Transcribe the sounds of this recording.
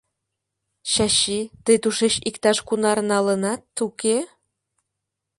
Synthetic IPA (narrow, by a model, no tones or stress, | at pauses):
ɕɑɕit̪əjt̪uʃeɕikt̪ɑʃkunɑɾnɑlə̆nɑt̪uke